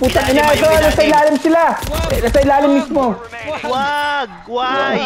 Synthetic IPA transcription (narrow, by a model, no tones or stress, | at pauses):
puːt̪ɐɪnaʔɛt̪onɐsɐjlaːlɪmsɪlanɐsɐjlaːlɪmːismo